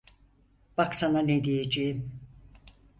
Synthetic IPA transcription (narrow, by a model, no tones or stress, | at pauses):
b̥aksananed̪ijed͡ʒejim